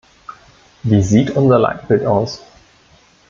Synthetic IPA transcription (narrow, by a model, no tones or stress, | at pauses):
viːziːtʔʊnzɐla̰ɪt̚b̥ɪltaʊs